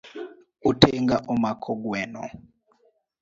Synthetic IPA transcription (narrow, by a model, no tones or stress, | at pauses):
utʰɛŋɡaʔumakʰɔɡwɛːnɔ̰